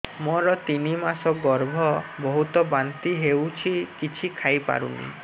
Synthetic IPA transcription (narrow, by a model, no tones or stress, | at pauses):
mɔɾɔt̪inimasɔɡɔɾbʱɔbɔɦut̪ɔbant̪iɦewt͡ʃʰikit͡ʃʰikʰajpa̰ɾṵnḭ